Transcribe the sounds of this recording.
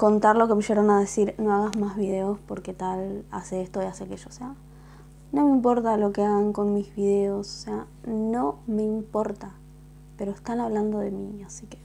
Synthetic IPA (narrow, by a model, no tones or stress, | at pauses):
ko̞nt̪aɾlo̞ke̞meʃeɾonað̞e̞siɾno̞aɣazmazβiðe̞o̞spo̞ɾket̪ala̰seest̪oiaseakeʃoːsea | no̞meimpo̞ɾt̪alo̞keaɣaŋko̞nmizβiðe̞o̞so̥sea | no̞me̞impo̞ɾt̪a | pe̞ɾoest̪anaβland̪o̞ðe̞miasike̥